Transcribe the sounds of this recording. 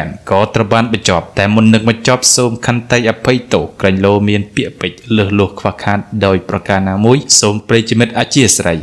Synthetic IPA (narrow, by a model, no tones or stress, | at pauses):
nkɑːt̪rəwɓaːnɓɑɲt͡ɕŏəp̚t̪aɛmunːɨŋɓɑɲt͡ɕŏp̚soːmkʰant̪ɨjʔapʰɨjt̪oːhkrəɲloːmiənpiəʔpɨc̚ləːhlʊ̆əhkʰʋahkʰaːt̪̚ɗaɔjprɑkaːnaːmuəjsoːmpreːjt͡ɕimɨt̪̚ʔat͡ɕiəsrəj